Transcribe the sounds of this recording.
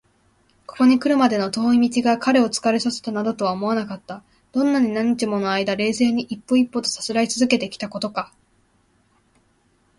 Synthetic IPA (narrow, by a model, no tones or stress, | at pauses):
ko̞̥ko̞ɲ̟ikɯ̟ɾɯ̟mad̪e̞no̞t̪o̞ːimʲit͡ɕiɡakaɾe̞o̞t͡sɨ̥kaɾesase̥t̪anad̪o̞t̪o̞βaomo̞βanakat̪ːa | d̪̥õ̞nːaɲ̟inãɲ̟ːit͡ɕimo̞no̞aid̪aɾe̞ːse̞ːɲ̟iʔipːo̞ipːo̞t̪o̞̥sḁt͡sɨɾait͡sɨzɨke̞t̪e̞kʲi̥t̪ako̞t̪o̞ka